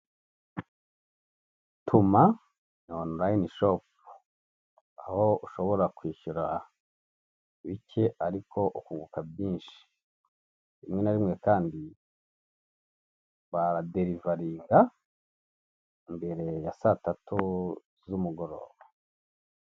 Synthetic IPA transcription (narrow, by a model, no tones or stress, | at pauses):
tʰuma | noonuɾajniʃop̚ | ahouʃo̞βo̞ɾakwiːʃuɾa | βice̞ʔaɾikʰo̞ʔukuːŋɡukabjiːnʃi̥ | ɾimŋe̞naɾimŋe̞kaːndi | βaɾade̞ɾivaɾiːŋɡa | imbe̞ɾe̞jasatatʰu | zumuɡo̞ɾo̞̰ːβa